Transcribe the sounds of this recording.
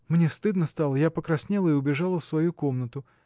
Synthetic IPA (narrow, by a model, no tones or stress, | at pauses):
mnʲest̪ɨd̪nəst̪alˠəjapəkɾɐsʲnʲelˠəɪʊbʲɪʐalˠəfsvɐjuko̞mnət̪ʊ